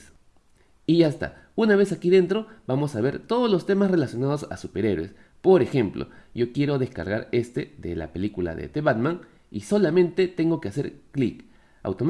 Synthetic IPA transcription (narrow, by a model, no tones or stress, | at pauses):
iʝaest̪a̰ | unaβ̞e̞sakiðe̞nt̪ɾo̞bamo̞saβ̞e̞ɾt̪oð̞oslo̞st̪e̞masre̞lasjonað̞o̞sa̰supe̞ɾe̞ɾwḛs | po̞ɾe̞xe̞mplo̞̰jo̞kje̞ɾo̞ðe̞ska̰ɾɣaɾe̞st̪eðḛla̰pe̞likula̰ðḛt̪eβad̪mãŋ | iso̞lamẽ̞nt̪e̞t̪e̞ŋɡo̞kease̞̰ɾklik | a̰wt̪om